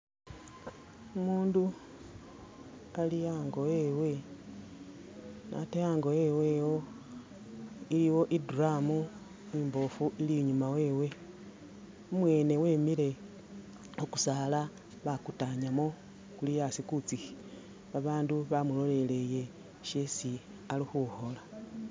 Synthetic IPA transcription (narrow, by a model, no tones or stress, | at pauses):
umuːndu | alijaːŋɡo̞ewe̞ | nʔa̰tejaːŋɡo̞e̞we̞wo̞ | iliwo̞ʔiduramu | imbo̞fuʔiliɲumawe̞ːwe̞ | omwe̞ːne̞we̞ːmile̞ | oku̥sala | βakutaɲamo̞ | kulijasikut͡sixi̥ | βaβaːnduβamulo̞le̞le̞je̞ | ʃesi | alixuho̞la